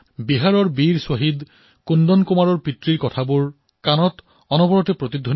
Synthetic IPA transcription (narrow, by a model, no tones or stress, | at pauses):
biɦaɹɔɹbiɹsoɦid̪ | kundɔnkumaɹɔɹpitɹiɹkɔtʰabuɹ | kanɔt | ɔnɔbɔɹɔtepɹot̪id̪ʱːon